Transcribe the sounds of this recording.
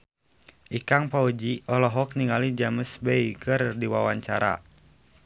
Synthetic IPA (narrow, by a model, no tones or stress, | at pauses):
ʔikaŋpaud͡ʒiɔlɔɦɔk̚niŋalid͡ʒaməsbɛjkərdiwawaɲt͡ʃaɾa̰